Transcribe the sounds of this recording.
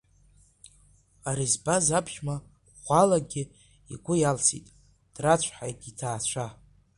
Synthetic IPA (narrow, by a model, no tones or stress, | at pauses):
aɾizbazapʰʃma | ʁʷalaɡʲɪ | ḭɡʷʊjalsḭtʼ | d̥rat͡ɕʷʰħajɡʲitʰaːt͡ɕʷʰa